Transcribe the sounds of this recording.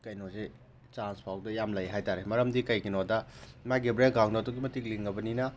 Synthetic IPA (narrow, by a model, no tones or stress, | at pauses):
kɐjnɔze | t͡ʃanspʰawdɐjamlɐjɦajtaɾemɐɾɐmdikɐjkinɔdɐmajɡebɾeɡaŋdatɔɡimɐtik̚liŋɡɐbɐninɐ